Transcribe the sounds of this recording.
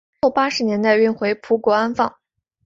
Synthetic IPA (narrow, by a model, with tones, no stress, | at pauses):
o˥˩ʊpa˥ʂɻ̩˧˥njɛ˧˥nt̪a˥˧ɪy˥˩nxwe˧˥ɪpʰu˧˥kwɔ˧˥a˥nfɑ˥˩ŋ